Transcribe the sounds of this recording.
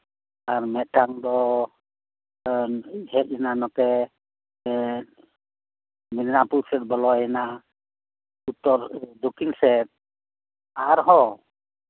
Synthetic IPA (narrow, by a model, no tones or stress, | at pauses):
aɾmɛʈaŋd̪ɔ | ɦɛt̪̚ɛnanɔkɛ | midnapuɾsɛt̪̚bɔlɔɛna | ut̪ːɔɾd̪ukiŋsɛt̪̚ | aɾɦɔ